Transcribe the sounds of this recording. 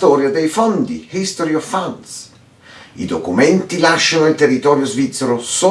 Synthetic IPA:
t̪ɔːɾjad̪ɛjfɔnd̪ihist̪oɾiɔfːans | ḭd̪okumɛnt̪ilaʃːanoilt̪erːit̪ɔːɾjozvit̪sːəɾosɔ

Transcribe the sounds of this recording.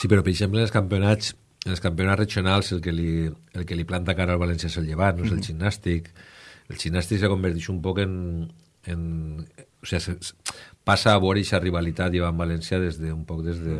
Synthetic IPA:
sipeɾɔpeɾeɡʃemplenelskampeonat͡s | eneskampeonatreʒionalˠselˠkelielˠkeliplant̪akaɾalβalɛnsjiaeselʎeβ̞anoselʒinːast̪ikelʒinːast̪iksekombəɾt̪iʃumpɔken | en | o̥seasepasaːβ̞ɔɾejʃariβ̞alit̪at̪iβambalɛnsjaðezðeumpɔkðezðe

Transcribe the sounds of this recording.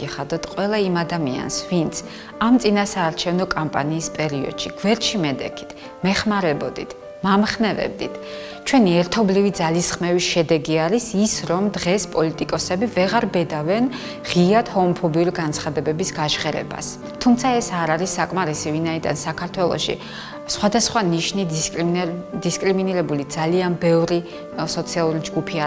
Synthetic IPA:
iχad̪ɔt̪ʰqʼwɛlˠaimad̪amia̰nsvint̪sʰ | amt̪sʼinasaːɾt͡ʃʰɛvnɔkʼampʼa̰niːspʼɛɾiɔ̰d̪̥ʃiɡ̥vɛɾt͡ʃʰimɛd̪ɛ̰kʰi̥t̪ʰ | mɛχmaɾɛbɔd̪it̪ʰ | mamχnɛvɛ̰b̚d̪it̪ʰ | t͡ʃʰwɛniɛɾt̪ʰɔblivid̪zalisχmɛviʃɛd̪ɛɡiaɾisisɾɔmd̪ʁɛspʼɔlit̪ʼikʼɔsɛbivɛʁaɾbɛd̪avɛn | ʁiat̪hɔmɔpʰɔbiuɾiɡant̪sʰχad̪ɛbɛbisɡaʃʁɛɾɛ̰ba̰s | t̪ʰumt̪sʰaɛsaɾaɾisːakʼmaɾisivinaid̪a̰nsakʰaɾt̪ʰwɛlˠɔ̰ʃḭ | sχwad̪asχwaniʃni | d̪iskʼɾiminiɾɛbulid̪z̥alianbɛvɾi | sɔt̪sʰialˠuɾid͡ʒɡupʰia

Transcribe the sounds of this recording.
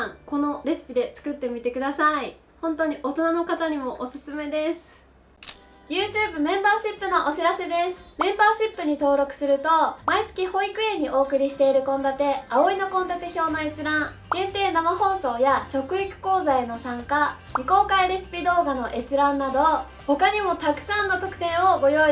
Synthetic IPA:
ãŋko̞no̞ɾe̞sɨ̥pʲid̪e̞t͡sɨ̥kɯ̟t̪ːe̞mʲit̪e̞kɯd̪asai | hõ̞nt̪o̞ɲ̟iʔo̞t̪o̞nano̞kat̪aɲ̟imo̞ʔosɨ̥sɨme̞d̪e̞sɨ̥ | jɯ̟ːt͡ɕɨːbɯ̟mẽ̞mbaːɕipːɯ̟no̞ʔoɕiɾase̞d̪e̞sɨ̥mẽ̞mbaːɕipːɯ̟ɲ̟it̪o̞ːɾo̞kɯ̟̥sɨɾɯ̟t̪o̞mait͡sɨ̥kʲiho̞ikɯ̟ẽ̞ɲ̟ːiʔo̞ːkɯ̟ɾʲiɕi̥t̪e̞iɾɯ̟kõ̞nd̪at̪e̞ao̞ino̞kõ̞nd̪at̪e̞ço̞ːnaet͡sɨɾãŋ | ɡẽ̞nt̪e̞ːnamaho̞ːso̞ːjaɕo̞kɯ̟ikɯ̟̥ko̞ːzaeno̞sãŋkamɯ̟ko̞ːkaiɾeɕi̥pʲid̪o̞ːɡano̞ʔe̞t͡sɨɾãnːad̪o̞ | ho̞kaɲ̟imo̞t̪akɯ̟̥sãnːot̪o̞kɯ̟̥t̪ẽɰ̃o̞ɡo̞joi

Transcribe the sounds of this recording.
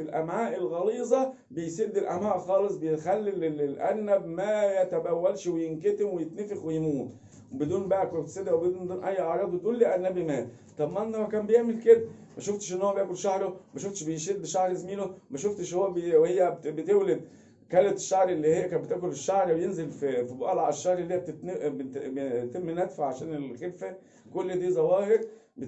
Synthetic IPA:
filʔæmʕaːʔelɣɑliːzˤɑ | bejsed̪ːelʔæmʕaːʔxɑːlesˤbejet̪xælːilelʔæ̰nːæbmæjæt̪æbæwːælʃwejenkæt̪emwejet̪nefexwejmuːt̪ | webed̪uːnbæʔækwebt̪sed̪æʔwbed̪uːnd̪uːnʔæjːʕɑɾˤɑːd̪ˤbet̪ʔuːlːiʔænːæbjemæːt̪ | t̪ˤɑbmːenːæmækæːmbejeʕmelked̪æmæʃoft̪e̥ʃʔenːhoːæbejæːkolʃahɾomæʃoft̪ʃbejʃiːd̪̚beʃahɾzmiːnomæʃoft̪eʃhowːæbwhejːæbet̪ewled̪̚ | kælːæt̪eʃːaʕɾʔelːiːhejːækæːbet̪æːkoleʃːaʕɾbejenzelfifiboʔɑlʕaeʃːɑhɾˤelːiːæb̚t̪et̪n | t̪emːenæt̪faʕʕaʃæːnelxelfæ | kolːd̪iːzæwæːhɪɾ | b

